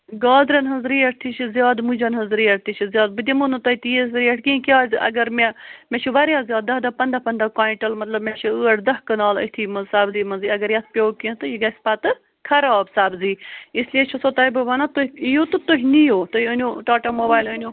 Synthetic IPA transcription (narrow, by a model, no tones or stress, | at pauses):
ɡaːd̪ɾɐnɦɐzɾiːɐʈ̚ʰt̪ʰit͡ʃʰizjaːd̪mud͡ʒɐnɦɐzɾiːɐʈt̪ʰit͡ʃʰizjaːd̪̚bɨd̪ʲɐmunɨt̪ɐit̪ijezɾiːɐʈʰkikʲjaːzɨʔɐ̰ɡɐɾmemʲeʃʰuʋɐɾjaːzjaːd̪d̪ɐɦd̪ɐːpɐnd̪ɐpɐnd̪ɐkaːĩɳʈɐlmɐt̪lɐbmeʃʰuɨːɐʈʰd̪ɐɦkɐnaːlə̰t̪ʰiːmɐzsaːbziːmɐziɐɡɐɾjɐt̪̚ʰpʲoːkĩt̪ɨjiɡɐsʲpat̪ɨ | kʰɐɾaːbsaːbziːisliet͡ʃʰusot̪aːjbɨʋɐnat̪oijot̪ɨt̪oɦʲnijoːt̪oiənʲoʈaːʈamoːbaːjlənʲju